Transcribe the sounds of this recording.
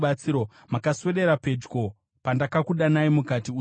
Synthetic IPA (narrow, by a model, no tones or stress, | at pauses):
ɓat͡siːɾo | makaswe̞ɾe̞ɾape̞d͡ʒɡo̞ | pandakakuɗanaimukatiu